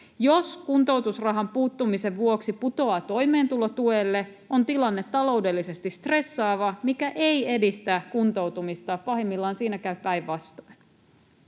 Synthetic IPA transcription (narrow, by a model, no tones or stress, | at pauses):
joskunt̪o̞uwt̪usrɑɦɑmpuːt̪ːumise̞ʋʋuoksiput̪o̞ɑːt̪o̞jme̞ːnt̪ulot̪ueːlːe̞ | o̞nt̪ilɑnːe̞t̪ːɑlo̞uwde̞lːise̞st̪ist̪re̞sːɑːʋɑmikæʔe̞je̞dist̪ækunt̪o̞wt̪umist̪ɑːpɑɦimːilːɑːnsiːnækæyppæjʋʋɑst̪oin